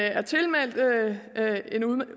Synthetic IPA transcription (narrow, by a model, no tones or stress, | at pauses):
æɐt͡sʰe̝lmæl̰d̥ | e̝nuðˠm